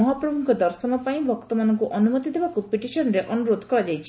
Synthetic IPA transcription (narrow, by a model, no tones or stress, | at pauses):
ɔɦapɾɔbʱuŋkʰɔd̪ɔɾsɔnɔpaĩbʱɔkt̪ɔmanɔŋkuʔɔnumɔt̪id̪ebakupiʈisɔnɔɾeʔɔnuɾod̪ʱɔ̥kɔɾad͡ʒajt͡ʃʰi̥